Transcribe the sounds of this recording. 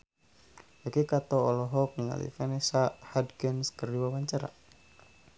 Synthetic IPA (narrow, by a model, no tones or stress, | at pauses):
bakikat̪ɔɔlɔɦɔk̚niŋa̰lḭfɛnɛsahadɡənskərdiwawaɲt͡ʃaɾa̰